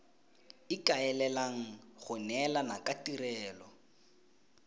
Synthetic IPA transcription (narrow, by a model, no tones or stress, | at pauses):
ɪkʼaɛlɛlaŋ̩ɣʊnɛlanakʼatʼirɛːlɔ